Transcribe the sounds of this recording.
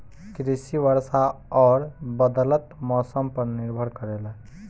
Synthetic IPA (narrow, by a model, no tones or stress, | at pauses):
kɾisiʋəɾsaɔːɾbəd̪ələt̪mɔsəmpəɾniɾbʱəɾkəɾelɛ